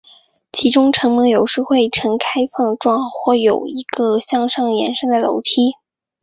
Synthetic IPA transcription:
t͡ɕʰi˧˥ʈ͡ʂʊ˥ŋʈ͡ʂʰɤ˧˥ŋmə˧˥ŋjo˨˩ʊʂɻ̩˥˧xwe˥˩ɪʈ͡ʂʰɤ˧˥ŋkʰa˥ɪfɑ˥˧ŋʈ͡ʂwɑ˥˧ŋxwɔ˥˩jo˨˩ʊi˧˥ɡə˧ɕjɑ˥˧ŋʂɑ˥˩ŋjɛ̰˧˥nʂə˥ŋd̪ə˨˩lo̰˧˥ʊt̪ʰi˥

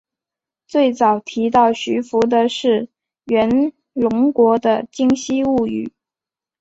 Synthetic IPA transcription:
t͡swe˥˩ɪt͡sɑ˨˩ʊt̪ʰi˧˥t̪ɑ˥˩ʊɕy˧˥fu˧˥d̪ə˧ʂɻ̩˥˩ | ɥɛ˧˥n | lʊ˧˥ŋkwɔ˧˥d̪ə˧t͡ɕi˥ŋɕi˥u˥˩y̰˨˩˦

